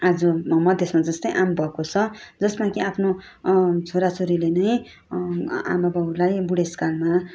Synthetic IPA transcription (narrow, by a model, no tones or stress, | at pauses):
ad͡zʌmʌd̪ʱjesmad͡zʌst̪ʌjʔambʱʌkot͡sʰʌd͡zʌsmakiapʰno | t͡sʰoɾat͡soɾilenʌj | a̰mabaulajbuɽeskalma